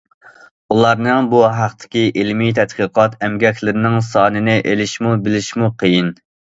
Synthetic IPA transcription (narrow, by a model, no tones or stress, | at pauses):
ulˠɑɾnɨŋbuɦæχt̪ʰɪ̥kʲiʔɪlmit̪ʰɛt̪qiqʰɑt̪ʰɛmɡʲɛkʲlɪɾɪnɪŋsɑːnɨnɪʔelɪʃmubɪlɪʃmuqʰəjin